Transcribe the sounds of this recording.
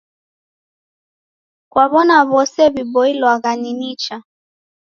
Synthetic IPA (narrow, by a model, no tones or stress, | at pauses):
kwaβɔnaβɔsɛβibɔilwaɣaninit͡ʃa